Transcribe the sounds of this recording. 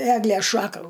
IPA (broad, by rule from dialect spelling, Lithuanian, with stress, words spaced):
ˈæːɡlʲeːs ˈʃɑːkɐ